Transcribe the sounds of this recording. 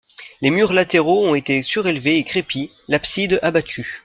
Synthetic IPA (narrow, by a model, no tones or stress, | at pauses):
lemyʁlat̪eʁoɔ̃et̪esyʁelveːkχepi | lapsid̪abat̪ʰy